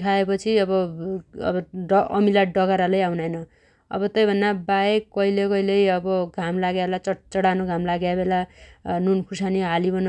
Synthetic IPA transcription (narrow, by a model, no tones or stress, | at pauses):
kʰaepʌt͡sʰiʌbʌʌ̰bʌʌʌmilaɖʌɡaɾalʌjawnajnʌ | ʌ̰bʌt̪ʌjbʱʌnːabaekʌilekʌilejʌbʌɡʱamlaɡjaelat͡sʌt͡sʌɽanoɡʱamlaɡjabelanunkʰusaniɦalibʌn